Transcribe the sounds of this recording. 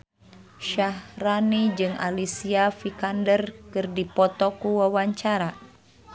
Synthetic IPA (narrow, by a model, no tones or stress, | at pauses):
ʃahranid͡ʒɨŋʔa̰lisiafikandərkɨrdipɔt̪ɔkuwawaɲt͡ʃaɾa